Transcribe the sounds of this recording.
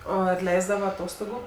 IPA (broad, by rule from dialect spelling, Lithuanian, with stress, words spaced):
ˈoː ɐr ˈlʲɛɪzdɐʋɐ ɐˈtoːstoːɡʊ